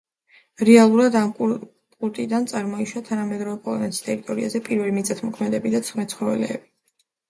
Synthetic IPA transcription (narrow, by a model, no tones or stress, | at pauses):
ɾɛalˠuɾad̪amʼ | kʼuɾt̪ʼid̪ant̪sʼaɾmɔiʃat̪ʰanamɛd̪ɾɔvɛpʼɔlˠɔ̰nɛt̪ʰist̪ʼɛɾit̪ʼɔɾia̰zɛpʼiɾvɛlimit̪sʼat̪ʰmɔkʰmɛd̪ɛbid̪at̪sʰχmɛt̪sʰχɔvɛ̰lɛ̰ːbi̥